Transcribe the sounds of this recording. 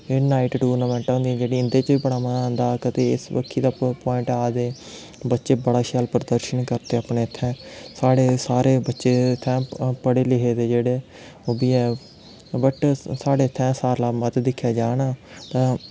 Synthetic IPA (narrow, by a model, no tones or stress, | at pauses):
eːnaːiʈʈuːnəmɛ̃ːɳʈaːɦʊ̃nd̪iːɛ̃ːd͡ʒeːɽiːɪnd̪eːt͡ʃbiːbəɽaːmənãnd̪aːkət̪eːɪ̰sbə̰kʰːiːd̪aːpɔːɪ̃ɳʈaːd̪eː | bətːʃeːbəɽaːʃaːlpəɾəd̪əɾʃənkəɾt̪eːaːpɳeːət̪ʰːɛ̃ːsaːɽeːsaːɾeːbətːʃeːt̪ʰːɛ̃ːpəɽeːlɪɦeːd̪eːd͡ʒeːɽeː | oːbiːɛː | bəʈsaːɽeːət̪ʰːɛ̃ːsaːɾlaːmət̪d̪ɪkʰːjaːd͡ʒaːnaːt̪ãː